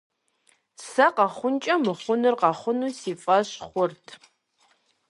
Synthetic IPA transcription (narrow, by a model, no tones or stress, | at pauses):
sɐqɑχʷʊnt͡ʃʼɐmɨχʷʊnɨrqɑχʷʊnuːsiːfʼɐɕχʷʊrtʰ